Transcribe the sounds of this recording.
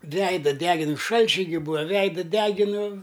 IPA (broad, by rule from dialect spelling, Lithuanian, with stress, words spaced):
ˈʋʲɛɪdɐ ˈdʲæːɡʲɪn ˈʃɐlʲt͡ʃʲɛɪ ɡʲɪ ˈbuːɐ ˈʋʲɛɪdɐ ˈdʲæːɡʲɪnʊ